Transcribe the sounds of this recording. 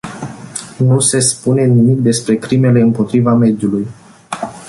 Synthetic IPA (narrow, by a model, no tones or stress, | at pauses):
nuse̞spune̞nimik̚d̪e̞spɾe̞kɾime̞le̞ɨmpo̞t̪ɾivame̞d̪juluj